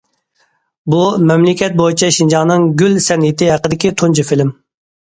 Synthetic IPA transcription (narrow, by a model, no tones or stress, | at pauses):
bumɛmlɪkʲɛt̪̚bojit͡ʃʰɛʃind͡ʒɑːnɨŋɡʲylsɛnɪt̪ʰɪɦæqəd̪ɪkʲit̪ʰond͡ʒifɪlɪm